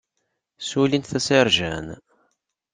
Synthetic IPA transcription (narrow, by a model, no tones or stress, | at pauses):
sulinθæsɪɾˤʒæ̰n